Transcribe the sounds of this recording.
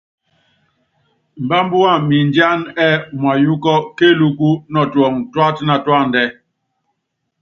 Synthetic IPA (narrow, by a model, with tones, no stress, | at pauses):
m̩˨ba˦mbu˦a˦˨mi˨nd͡ʒja˦nɛ˦˨m˨a˨ju˦kɔ˦ke˦˨lu˦ku˦nɔ˨twɔ˨ŋtwa˦tna˨twa˦˨ndɛ˦